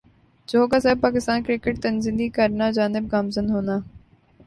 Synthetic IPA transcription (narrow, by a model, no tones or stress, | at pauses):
d͡ʒoːɡasɛːb̚paːkɪst̪aːnkɾɪkəʈ̚t̪ɐnzɪ̃nd̪ikəɾnad͡ʒaːnɪb̚ɡaːmzənɦoːnaː